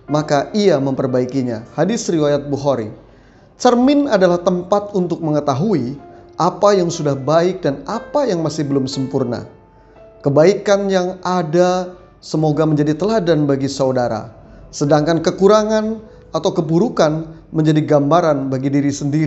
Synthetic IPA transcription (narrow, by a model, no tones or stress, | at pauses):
makaʔiaməmpərbaikiɲa̰hadɪsriwajat̪̚buɦoɾḭ | t͡ʃərmɪnadalaht̪əmpat̪̚unt̪ʊk̚məŋət̪aɦuiʔapajaŋsudahbaɪk̚danapajaŋmasɪhbəlʊmsəmpurna̰ | kəbaikanjaŋada | səmoɡaməɲd͡ʒadit̪əladanbaɡisaudaɾa̰sədaŋkankəkuɾaŋan | at̪awkəbuɾukanməɲd͡ʒadiɡambaɾanbaɡidiɾisəndiɾ